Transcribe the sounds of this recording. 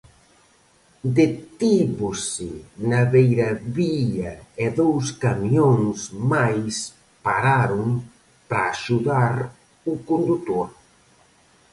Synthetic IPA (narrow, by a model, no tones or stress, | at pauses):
d̪et̪iβʊsɪnaβejɾɐβiʎaeðowskamjoŋsmajs | paɾaɾʊŋ | pɾaːʃuðaɾ | ʊkond̪ut̪oɾ